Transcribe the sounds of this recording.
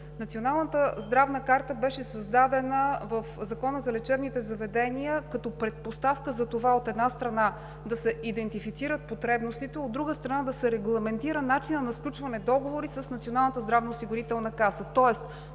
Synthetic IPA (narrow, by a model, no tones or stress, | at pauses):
nɐt̪sionalˠnət̪əzd̪ɾavnəkaɾt̪əbɛʃɛsɐzd̪ad̪ɛnəvəfzɐkɔnəzɐlɛt͡ʃɛbnit̪ɛzɐvɛd̪ɛniəkɐt̪ɔpɾɛt̪̚post̪afkəzɐt̪ovaot̪ɛd̪nast̪ɾɐna | d̪ɐsɛʔid̪ɛnt̪ifit̪siɾət̪̚pot̪ɾɛbnost̪it̪ɛod̪ːɾuɡəst̪ɾɐnad̪ɐsɛɾɛɡlˠɐmɛnt̪iɾənat͡ʃinənɐsklʲut͡ʃvɐnɛd̪ɔɡovoɾisəsnɐt̪sionalˠnət̪əzd̪ɾavnɐosiɡʊɾit̪ɛlˠnəkasət̪ɔɛst̪